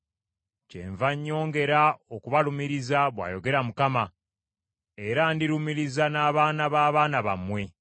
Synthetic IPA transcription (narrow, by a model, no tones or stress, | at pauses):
cḛɱvaɲːo̞ːŋɡe̞ɾao̞kuβalumiɾizaβwa̰ːjo̞ɡe̞ɾamukama | eɾandiɾumiɾizanaːβaːnaβaːβaːnaβa̰mwe̞